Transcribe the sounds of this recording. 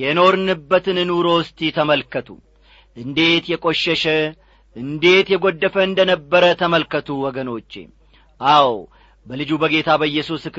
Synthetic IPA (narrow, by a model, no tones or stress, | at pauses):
jɛno̞ɾɨnɨbːət̪ɨnɨnuɾo̞st̪ʼit̪ʰəməlkət̪ʰṵ | ʔɨnd̪e̞t̪jɛkʼo̞ʃːɛʃɛ | ʔɨnd̪e̞t̪jɛɡo̞d̪ːəfəɨnd̪ənəbːəɾət̪ʰəməlkət̪ʰuwɔɡəno̞t͡ʃːḛ | ʔaw | bəlɨd͡ʒubəɡe̞t̪ʰabəɨjːɛsusk